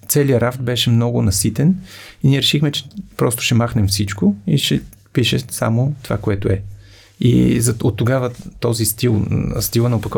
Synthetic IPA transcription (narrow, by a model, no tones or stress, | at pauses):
t̪sɛlijəɾaft̪bɛʃɛmnɔɡʊnɐsit̪ɛniniɛɾɛʃixmɛt͡ʃɛ̥pɾɔst̪ʊ̥ʃɛmaxnɛmfsit͡ʃkʊiʃɛ | piʃɛsa̰mot̪ova̰koɛt̪ʊɛ | ḭzɐot̪ːoɡavət̪ɔzist̪il̰ˠst̪ilˠənɐopɐkɔ